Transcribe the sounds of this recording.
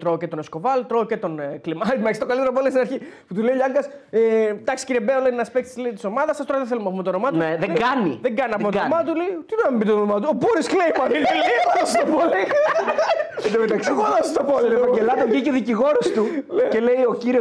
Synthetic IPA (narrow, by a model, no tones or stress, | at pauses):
t̪ɾoːcet̪o̞neskovɐlt̪ɾoːcet̪o̞nklimɐɾt̪meksi̥t̪okalit̪eɾopolesinɐɾçiput̪uleiʎɐŋɡɐset̪ɐksi̥ciɾiebeoleinɐspekst̪islet̪i̥so̞mɐðɐsɐst̪oɾɐðeθelumɐpumet̪onomɐt̪nueðeeɡɐnḭðeŋɡɐniɐpumetoomɐt̪̬uleit̪id̪onɐmibit̪ot̪onomɐt̪̬uopoɾisklejpɐninleɐosst̪opoli | nemet̪ɐksioðɐsst̪opolievɐɟelɐt̪oɲiceðiciɣo̞ɾostt̪ulecelejo̞ciɾi